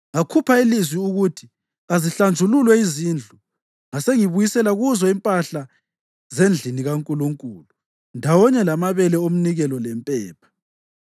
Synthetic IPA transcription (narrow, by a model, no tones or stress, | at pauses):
akʰupʰailizwiuɣutʰi̥ | aziɬand͡ʒʱululwɛizind͡ɮʱu | ŋaseŋiβujisɛlaɣuzɔimpʼaɬa | zend͡ɮʱiniɣaŋkʼuluŋkʼuːlu | ndʱawɔɲɛlamaβɛlɛom̩niɣɛlɔlɛmpʼɛːpʰḁ